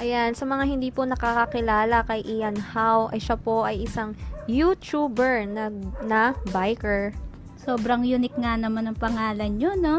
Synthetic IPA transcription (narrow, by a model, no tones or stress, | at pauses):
ʔɐjansɐmɐŋahɪnd̪iːponɐkakɐkɪlaːlɐkɐjʔɪjɐnhawʔɐjʃapo̞ʔɐjʔɪsaŋjut͡ʃubɛɹnɐɡnɐbajkɛɹ | soːbɾɐŋjʊnɪk̚ŋanɐmanɐŋpɐŋaːlɐnɲo̞no̞